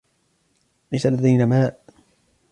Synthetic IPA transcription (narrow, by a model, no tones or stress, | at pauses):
ʔajsalːad̪ajnamaːʔ